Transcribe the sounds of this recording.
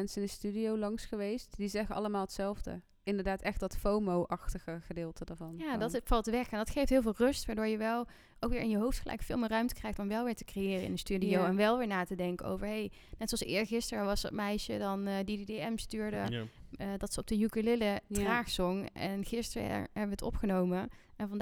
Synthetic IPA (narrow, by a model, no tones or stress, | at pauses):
mɛnsəɪndəstydiowlɑŋsχəʋejstdizɛχəɑ̰ləmaːlˠətsɛlˠvdə̰ | ɪndəɹdaːtɛχt̚dɑtfowmowʔɑxtəχəχədɪːlˠtədaɹvɑnjaːdɑtfɑlˠtʋɛxɛndɑtχejftɦɪːlˠvɪːlˠrɵstʋaːɹdoːɹjəʋɛlˠ | ʔowkʋɪːɹʔɪnjəɦowftχəlʔɛ̰jkfɪ̰ːlˠmɪːrœɥmtə̥krɛjxtɔmʋɛlˠʋɪːɹtə̥krejɪːrəɪ̰ndənstydiowɛnʋɛlˠʋɪːɹnaːtədɛŋkəo̰wvəɹɦej | nɛtsoɑlsɪːɹəxɪstərəʋɑsdɑ̰t̚mɛjʃədɑndidedeɛmstyːɹdə | dɑtsəɔb̚dəjukəlɪlədraːxsɔŋʔɛ̰nɣɪstərə̰ɦɛbəʋətɔ̰pχənowməɛnvɑnd